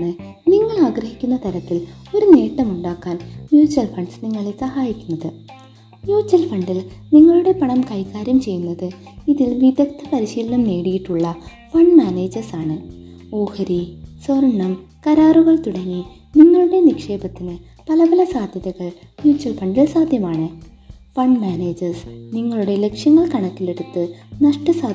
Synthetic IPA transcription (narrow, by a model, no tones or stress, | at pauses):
ɨniŋːɐɭaːɡɾɐɦikʲːunːɐt̪ɐɾɐt̪ːilo̞ɾune̞ːʈːɐmuɳɖaːkːaːnnjuːt͡ɕːɐlfɐɳɖsniŋːɐɭesɐhaːjikʲːunːɐðɨ | njuːt͡ɕːɐlfɐɳɖilniŋːɐɭuɽe̞pɐɳɐmkɐjkːaːɾjɐmt͡ɕe̞jːunːɐðɨ | iðilʋid̪ʱɐk̚t̪ʰːɐpɐɾiɕiːlnɐmne̞ːɽijiʈːuɭːɐ | fɐɳmaːneːd͡ʑɐsaːɳɨ | o̞ːhɐɾiswɐrɳːɐmkɐɾaːruɣɐɭt̪uɽɐŋːi | niŋːɐɭuɽe̞nikʂe̞ːbɐt̪ːinɨ | pɐlɐpɐlɐsaːd̪ʱjɐðɐɣɐɭ | njuːt͡ɕːɐlfɐɳɖilsaːd̪ʱjɐmaːɳɨ | fɐɳɖmaːne̞ːd͡ʑɐrsniŋːɐɭuɽe̞lekʂjɐŋːɐɭkɐɳɐkːile̞ɽut̪ːɨnɐʂʈɐsaː